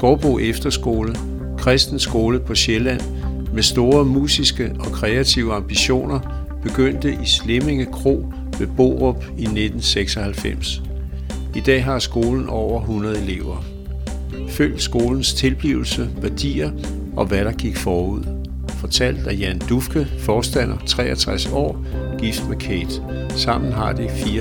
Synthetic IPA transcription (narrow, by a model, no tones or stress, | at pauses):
ɡ̥ɒːb̥o̝̰efd̥ɐsɡ̥o̝ːlə | kʰʁɛsd̥n̩sɡ̥o̝ːləpʰɒ̽ɕelæn̰ | mesd̥o̝ːɐmṵːsisɡ̥əɒ̽kʰʁɛæt͡sʰiʊ̰əɑ̈mb̥iɕo̝̰ːnɐ | b̥e̝ɡ̥øn̰d̥əʔisle̝me̝ŋəkʰʁo̝̰ː | ʋe̝b̥o̝̰ːʁɔ̽b̥ine̝d̥n̩seɡ̥sɒ̽hælfem̰s | id̥ɛ̰ːɦɑ̈sɡ̥o̝ːln̩ʔɒʊ̰ɐɦunʁɐð̞̩ˠe̝le̝ʊ̰ɐ | føl̰d̥sɡ̥o̝ːln̩st͡sʰe̝lb̥liʊl̩səʋæɐd̥ḭːɐ | ʔɒ̽ʋæɾ̥ɑ̈ɡ̥iɡ̥fɒːuð̞̰ˠ | fɒ̽t͡sʰæl̰d̥æjænd̥ufɡ̥əfɒːsd̥æn̰ɐt͡sʰʁɛ̰ːɐt͡sʰʁasɒ̰ː | ɡ̥ifd̥mekʰeːd̥ | sɑ̈m̰n̩ɦɑ̈d̥ifiː